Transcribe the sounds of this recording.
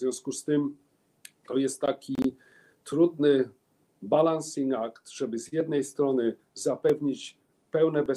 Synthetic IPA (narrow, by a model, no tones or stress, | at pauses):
zvʲjɔ̃w̃skust̪ɘm | t̪ɔjɛst̪ːakʲi | t̪ɾud̪nɘ | balansiŋakt̪ʐ̥ɛbɘzjɛd̪nɛjst̪ɾɔnɘ | zapɛvɲit͡ɕ | pɛwnɛbɛ